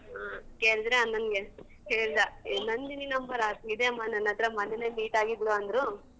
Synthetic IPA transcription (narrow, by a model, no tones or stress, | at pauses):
aːkeːɭid̪ɾeɐnːɐnɡe | heːɭd̪anɐnd̪ininɐmbɐɾaːsid̪eɐmːanɐnːɐt̪ɾɐmɐnːeneːmiːʈaːɡid̪luɐnd̪ɾu